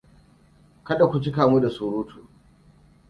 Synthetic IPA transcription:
kɐ˦ɗa˨kʷu˦t͡ʃɪ˦kaː˨mu˦da˨suː˨ɾuː˦tʰuː˨

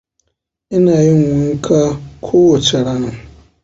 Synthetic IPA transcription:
ɪ˦na˨jɪ˦ŋ˨wʷʊ˨ŋ̩˦kʰa˦kʰoː˦wo˨t͡ʃa˨ɾa˦nʊ̃˨

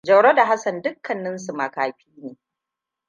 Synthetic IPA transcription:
d͡ʒɐ˨wɽo˦da˨ɦa˦sɐ˨ndʊ˦kːɐ˨nːɪ˦nsu˨ma˨kaː˨ɸiː˦neː˨

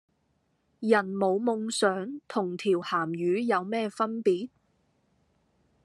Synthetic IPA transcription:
jɐ˨˩nmo˨˧wmʊ˧ŋsœː˨˥ŋt̪ʰʊ˨˩ŋt̪ʰiː˨˩whaː˨˩mjyː˨˧˥jɐ˨˧wmɛː˥fɐ˥npiː˨˥t̚

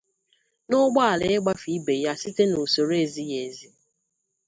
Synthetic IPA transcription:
nʊ˦ɡ͡ba˦a˨le˨ɪ˦ɡ͡ba˦fi˨˦be˨ja˦si˦te˦no˨so˨ɾe˦e˨zi˦je˨zi˦

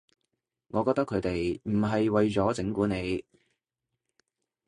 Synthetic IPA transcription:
ŋɔː˨˧kɔː˧k̚t̪ɐ˥kʰːɵ˨˥ɥt̪e˨jm̩˨˩ɦɐ˨jwɐ˨jt͡sɔː˨˥t͡sɪ˨˥ŋkuː˨˥ne˨˧j

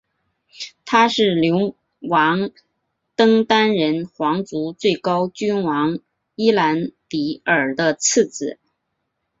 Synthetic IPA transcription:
t̪ʰa˥ʂɻ̩˥˩ljʊ˧˥ŋ | wɑ˧˥ŋ | t̪ɤ˥ŋt̪a˥nɻə˧˥nxwɑ˧˥ŋt͡su˧˥t͡swe˥˩ɪkɑ˥ʊt͡ɕy˥nwɑ˧˥ŋ | i˥la˧˥nt̪i˧˥ə˞˨˩d̪ə˦t͡s̩ʰ˥˩t͡sɹ̩˨˩˦

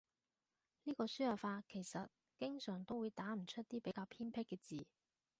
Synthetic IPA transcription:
niː˥kɔː˧syː˥jɐ˨˩faː˧kʰe˨˩jsɐ˨t̚ | kɪ˥ŋsœː˨˩ŋt̪o˥wuː˨˧jt̪aː˨˥m̩˨˩t͡ʃʰɵ˥t̚t̪iː˥pe˨˥jkaː˧wpʰiː˥npʰɪ˥kːɛː˧t͡siː˨˩

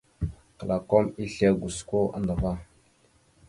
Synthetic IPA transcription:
kla˨ko˦mi˦ɬe˦ɡʷu˨sko˦ʔa̰˦ndə˨va˦

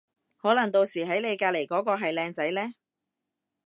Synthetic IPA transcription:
hɔː˨˥lɐ˨˩ŋt̪o˧wsiː˨˩ɦɐ˨˥jne˨˧jkaː˧le˨˩jkɔː˨˥kɔː˧ɦɐ˨jlɛː˧ŋt͡sɐ˨˥jlɛː˥

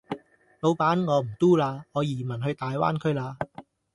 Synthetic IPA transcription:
lo˨˧wpaː˨˥nŋɔː˨˧m̩˨˩t̪uː˥laː˧ŋɔː˨˧jiː˨˩mɐ˨˩nɦɵ˧ɥt̪aː˨jwa̰ː˥nkʰɵ˥ɥlaː˧

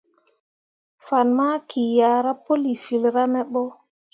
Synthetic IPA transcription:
fa˨nma˦kʰi˨jaː˨ɾa˦po˦li˨fi˨lɾa˦mɛ˦ɓɔ˦

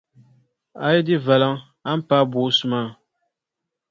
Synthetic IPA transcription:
a˦ji˦di˦vɛ˨la˦ŋ | a˦m̩˦pa˦bo˨˦su˨ma˦˨

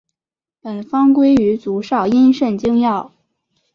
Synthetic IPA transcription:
pə˨˩nfɑ˥ŋkwe˥ɪy˧˥t͡su˧˥ʂɑ˥˩ʊi˥nʂə˥˩nt͡ɕi˥ŋjɑ˥˩ʊ

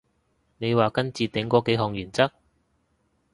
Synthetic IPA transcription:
ne˨˧jwaː˨kɐ˥nt͡siː˨˧t̪ɪ˨˥ŋkɔː˨˥ke˨˥ɦɔː˨˧ŋjyː˨˩nt͡sɐ˥k̚

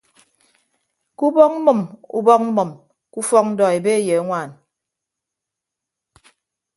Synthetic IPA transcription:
ku˦bɔ˦k̚m̩˦mɨ˨mṵ˦bɔ˦k̚m̩˦mɨ˨m | ku˦fɔ˦k̚n̩˦dɔ˨e˨be˦e˨je˨a˦ŋʷaː˨n

